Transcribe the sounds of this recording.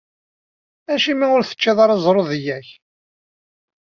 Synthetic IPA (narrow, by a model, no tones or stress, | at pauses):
æʃimiʊɾθə̥t͡ʃːiðˤɑɾˤɑzˤɾˤoðjæç